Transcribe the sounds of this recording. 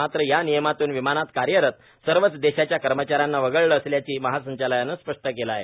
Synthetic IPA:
at̪ɾəjanijəmat̪uːnʋimanat̪kaɾjəɾət̪ | səɾʋət͡sd̪eɕat͡ɕjakəɾmət͡ɕaɾjanːaʋəɡəɭləːsljat͡ɕiːməɦasə̃ɲt͡ɕaləjanːəspəʂʈəkelaje

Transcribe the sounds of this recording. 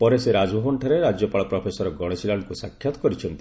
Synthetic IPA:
pɔɾeseɾad͡ʒɦonʈʰɔɾeɾad͡ʒjɔpaɭɔpɾɔpʰesɔɾɔɡɔɽ̃esilaɳɖkusakʰːjɔt̪ɔ̥kɔɾit͡ʃʰɔnt̪i

